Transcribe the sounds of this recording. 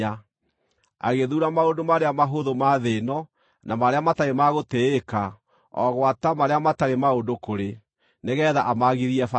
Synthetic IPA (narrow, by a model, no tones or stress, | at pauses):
a | a̰ɣeðuɾamaondomaɾeamaɦoðomaðenɔ | nʔamaɾeamataɾemaɣoteːka | ɔ̰ɣwatamaɾeamataɾemaondokoɾe | neɣɛðaʔamaɣiɾiɛfa